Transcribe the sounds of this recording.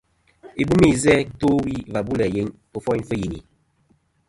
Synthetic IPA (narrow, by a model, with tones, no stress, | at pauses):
e˨bu˦me˦˨zɛ˦to˦wi˦va˨bu˦lɛ˨je˨˦ŋ | o˦fɔ˦i˦n˦fə˦ji˨nḭ˨